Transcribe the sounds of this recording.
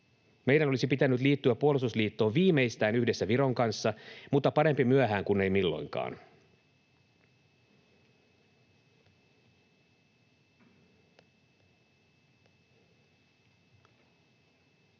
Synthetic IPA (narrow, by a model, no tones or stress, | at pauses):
me̞jdæno̞lisipit̪ænːyt̪liːt̪ːyæppuolust̪usliːt̪ːo̞ːʋʋiːmeijst̪æːnyhde̞sːæʋiɾo̞ŋkɑnsːɑmut̪ːɑpɑɾe̞mpimyæɦæːŋkunːe̞jmilːo̞̰jŋkɑ̰ːn